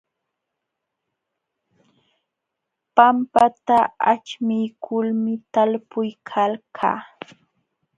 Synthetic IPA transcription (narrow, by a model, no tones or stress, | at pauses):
pampat̪aa̰t͡ʃmɪjkʰʊlmɪt̪alpʊjkʰalkʰa̰ː